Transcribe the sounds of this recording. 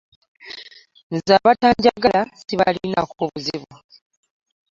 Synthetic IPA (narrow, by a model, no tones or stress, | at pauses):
nzaːβataːɲɟaɡalasiβalinakoβuziβu